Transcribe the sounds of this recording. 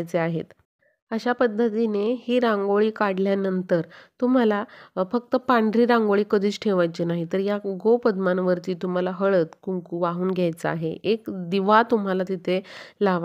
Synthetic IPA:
jt͡seaɦḛt̪ | əɕapəd̪ʱːət̪inehiːɾãŋɡoɭiːkaɽljanənt̪əɾt̪um̤alafək̚t̪əpaɳɖɾiːɾãŋɡoɭiːkəd̪ʱiːt͡sʈʰeʋajt͡ɕenaɦit̪əɾjaɡopəd̪manʋəɾt̪iːt̪um̤alaɦəɭət̪kuŋkuʋaɦuːnɡʱjajt͡səa̰ɦeʔekd̪iʋat̪um̤alat̪it̪ʰelaʋa

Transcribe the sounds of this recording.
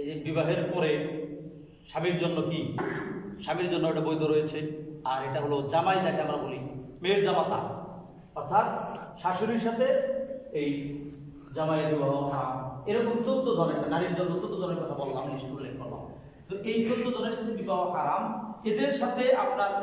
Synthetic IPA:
bibaɦeɾpɔɾe | ʃamiɾd͡ʑonːoki | ʃamiɾd͡ʑonːoejʈabojd̪ʱoɾojet͡ɕʰeaɾeʈaɦolod͡ʑamajd͡ʑat̪eamɾakoɾimeɾd͡ʑamat̪a̰ | ɔɾt̪ʰat̪̚ʃaʃoɾiɾʃat̪ʰeej | d͡ʑamaeɾibaɦoɦaɾameɾɔkomt͡ɕot̪od̪ʱɔneʈanaɾiɾd͡ʑonːot͡ɕot̪od̪ʱɔneɾkɔt̪ʰabɔllamisʈuɾlekkɔɾla̰m | t̪oʔejt͡ɕont̪ːod̪ʱɔneɾʃat̪ʰebibaɦokaɾamed̪eɾʃat̪ʰeap̚naɾ

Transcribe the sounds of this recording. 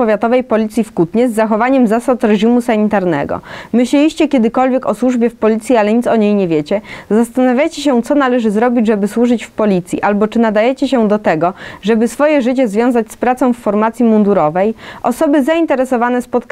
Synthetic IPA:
pɔvʲjat̪ɔvɛjpɔlʲit̪sʲjifkut̪ɲɛzːaxɔvaɲɛmzasat̪ɾɛʑimusaɲit̪aɾnɛ̰ɡɔ̰mɘɕlɛiɕt͡ɕɛkʲɛd̪ɘkɔlvʲjɛkɔswuʐbʲjɛfpɔlʲit̪sʲjialɛɲit̪sɔɲejɲɛvʲjet͡ɕɛzast̪anavʲjajt͡ɕɛɕɛt̪sɔnalɛʐɘzɾɔbʲid͡ʑʐɛbɘswuʐɘt͡ɕfpɔlʲit̪sʲjḭʔalbɔt͡ʂɘnad̪ajɛt͡ɕɛɕɛd̪ɔt̪ɛɡɔʐɛbɘsfɔjɛʐɘt͡ɕɛzvʲjɔ̃w̃zat͡ɕspɾat̪sɔ̃w̃fːɔɾmat̪sʲjimund̪uɾɔvɛjʔɔsɔbɘzaint̪ɛɾɛsɔvanɛspɔt̪k

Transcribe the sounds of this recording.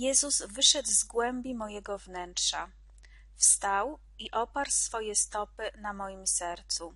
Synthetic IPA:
jɛzuzvɘʂɛd̪zɡwɛmbʲimɔjɛɡɔvnɛntʂa | fst̪aw | iʔɔpaɾsfɔjɛst̪ɔpɘnamɔjimsɛɾt̪su

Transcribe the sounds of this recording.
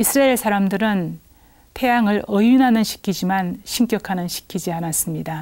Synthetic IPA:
isʰɯɾaeɭsʰaɾamdɯɾɯn | pʰe̞jaŋɯɭʌjunanɯnɕʰi̥kʰid͡ʑimanɕʰink͈jʌkʰanɯnɕʰi̥kʰid͡ʑianas͈ɯmɲida

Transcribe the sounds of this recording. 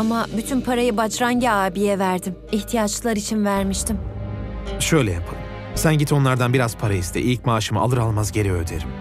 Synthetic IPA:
amabyt̪ʰynpʰaɾajɯbat͡ʃɾaŋɟiaːbijɛvæɾd̪imiçt̪ʰijat͡ʃlˠaɾit͡ʃʰinvæɾmiʃt̪ʰim | ʃøjlʲɛjapʰɯ | sænɟit̪ʰo̞nlˠaɾd̪anbiɾazpʰaɾaist̪ʰɛ̰ʔilʲc̚maːʃɯmɯalˠɯɾalˠmazɟe̞ɾɛød̪eɾim

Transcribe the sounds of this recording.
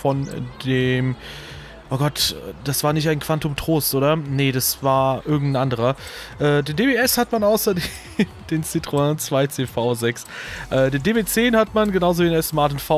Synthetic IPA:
fɔndeːm | ʔoːɡɔtɛd̥asv̥aːɐnɪçtaɪnkv̥antʊmtʁ̥oːstʔoːɾɐnəd̥asv̥aːɐʔɪɐɡŋ̩tn̩ʔandəʁ̞ɐʔɛːdeːndeːbeːɛshatmanaʊsɐde | md̥eːnt͡sitʁ̥onnt͡sv̥aɪt͡seːfaʊzɛksʔɛːdeːndeːbeːt͡seːnhatmanɡənaʊzoviːenɛsmaɐtɪnfa

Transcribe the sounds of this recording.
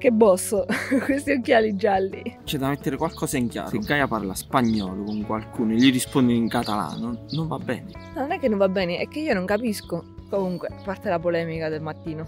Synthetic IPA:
kebːɔsːokwest̪iokjaːlid͡ʒːalːit͡ʃɛd̪ːamet̪ːeɾekwalkɔːsaiŋkja̰ːɾeoɡːajapa̰rlaspaɲːɔ̰ːlokoŋkwalkuːnoeʎːirispond̪eiŋkat̪ala̰ːnonoɱvabːɛ̰ːneanonɛkːenːoɱvabːɛːneʔɛkːeiːonoŋkapiskokomuŋkwepart̪elapolɛːmikad̪elmat̪ːiːno

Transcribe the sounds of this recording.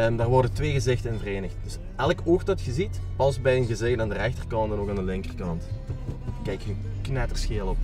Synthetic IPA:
əmdaːrʋɔrdəntʋeːɣəzɪxtənvəreːnəxt̚d̥ɵs | ɛləkoːxtdɑtxəzitpɑlˠsbɛjənɣəzeːɣənaːndərɛxtərkɑntɛnoːkaːndəlɪŋkərkɑnt | kɛjkhənknɛtərsxeːlˠɔp

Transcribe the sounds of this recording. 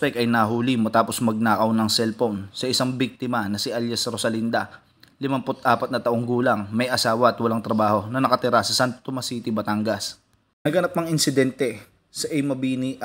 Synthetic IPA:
pɛkɐjnɐɦuːlimɐt̪aːpo̞smɐɡ̚naːkɐwnɐŋsɛlfpownsɐʔɪsaŋbik̚t̪ɪmɐnɐsiʔaljɐsɾosɐlind̪ɐ | lɪmɐmpot̪ʔaːpɐt̪̚nɐt̪ɐʔoŋɡuːlɐŋmɐjʔɐsaːwɐʔɐt̪wɐlaŋt̪ɾɐbaːho̞nɐnɐkɐt̪ɪɾasɐsant̪t̪omɐsiːt̪ɪbɐt̪aŋɡɐs | nɐɡɐnap̚nɐŋɪnsɪd̪ɛnt̪ɛ | sɐʔɛjmɐbiːni

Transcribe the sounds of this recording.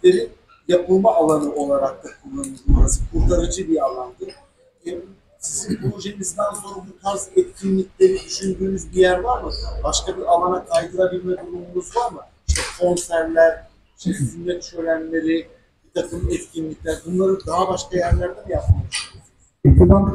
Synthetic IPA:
lʲeɾin | japʰɯlˠmaːlˠanɯo̞lˠaɾak̚t̪akʰulˠːanud̪mɯzkʰuɾt̪ʰaɾɯd͡ʒɯbialˠand̪ɯ | ɛ | sizinpɾo̞ʒemizd̪ænso̞nɾabuk̪ʰazɛt̪cʰinlʲicʲlʲeɾid̪yʃynd̪yːnyzbijæɾvaɾmɯbaʃkabiɾalˠanakʰajd̪ɯlˠabilʲmɛd̪uɾumunuzvaɾmɯ | iʃt̪ʰɛkʰo̞nsæɾlʲæɾ | iʃt̪ʰɛsynːɛt̪t͡ʃø̞lʲænlʲe̞ɾi | bit̪ʰakɯmɛt̪cʲʰinlʲiclʲæɾbunlˠaɾɯnd̪aɦabaʃkajæɾlʲæɾd̪ɛd̪ijap̚mamuʃu | zetid̪an

